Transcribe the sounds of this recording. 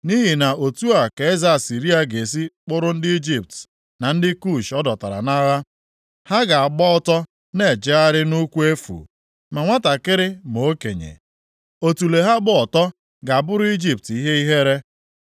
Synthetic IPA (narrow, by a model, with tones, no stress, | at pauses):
ni˦ɦi˨na˨o˨tu˦a˨ke˨e˦za˨a˨si˨ɾi˦a˨ɡe˨s̬i˦k͡pʊ˦ɾʊ˦n̩˦dɪ˦i˦d͡ʒi˨p̚t | na˨n̩˦dɪ˦ku˦˨ʃɔ˦dɔ˨ta˨ɾa̰˨na˦ɣa˦ | ha˦ɡa˨a˨ɡ͡bɔ˦ɔ˦tɔ˦ | ne˦˨d͡ʒe˦a˦ɾɪ˦nu˦kʷu˦e˦fṵ˨ | ma˨ŋʷa˦ta˨kɪ˦ɾɪ˦mo˨o˦kḛ˨ɲḛ˨ | o˨tu˨le˨ɦa˦ɡ͡bʊ˦ɔ˨tɔ˦ | ɡa˨a˨bʊ˦ɾʊ˦i˦d͡ʒi˦p̚ti˦ɦe˦i˦ɦe˦ɾe˦